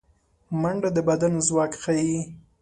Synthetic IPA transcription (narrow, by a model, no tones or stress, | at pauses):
maɳɖad̪əbad̪anozwɑkxaji